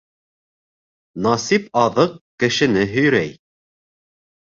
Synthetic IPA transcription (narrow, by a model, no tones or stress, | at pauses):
nɑsipɑðɤq̚kɘ̆ʃɘ̆nɘɦɵ̆jɾæj